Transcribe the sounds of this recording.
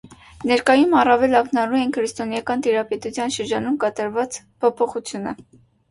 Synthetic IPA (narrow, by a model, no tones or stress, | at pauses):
nɛɾkɑjumɑrɑvɛlɑknɑɾuɛnkʰɾist̪ɔnjɑkɑnt̪iɾɑpɛt̪ut͡sʰjɑnʃəɾd͡ʒɑnumkɑt̪ɑɾvɑt͡s | pʰɔpʰɔχut͡sʰjunə